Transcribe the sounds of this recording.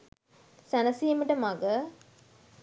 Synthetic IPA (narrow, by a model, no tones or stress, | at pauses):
sænɐsijəməʈəmaɡə